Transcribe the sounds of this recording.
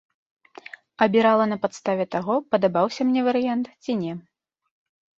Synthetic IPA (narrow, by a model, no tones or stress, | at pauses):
ɐbʲiɾalˠɐnɐpat̪st̪avʲɛt̪aɣɔpɐd̪abawsʲɐmnʲɛvɐɾɨjant̪t͡sʲinʲɛ